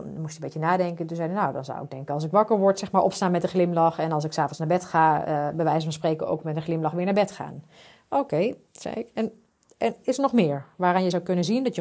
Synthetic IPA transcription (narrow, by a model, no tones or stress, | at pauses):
musəmbetənaːdɛŋkəntunzɛjdənawdɑ̰nza̰wɪ̰ɡ̚dɛŋkənɑlˠsɪkʋɑkəɹʋɔɹtsɛxmaːɹʔɔpstaːnmɛtdəχlɪmlɑxɛnɑlˠsɪksaːvɔnsnaːɹbɛtχaːəbəʋɛjsəfnspreːkəno̰wkmɛtəχlɪmlɑχʋɪːɹnaːbɛtxa̰ːn | owkej | sɛ̰ɪkɛn | ɛnɪsənɔχmɪːəɹʋaːranjəzawkɵnənzindɔtjə